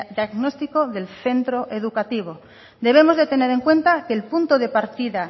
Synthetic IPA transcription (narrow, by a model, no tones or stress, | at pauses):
d̪jaɣnost̪ikoðe̞lθe̞nt̪ɾoʔe̞ð̞ukat̪iβ̞o | d̪e̞β̞e̞mo̞zðe̞t̪ene̞ɾe̞ŋkwẽ̞nt̪akeːlpunt̪oðe̞paɾt̪iða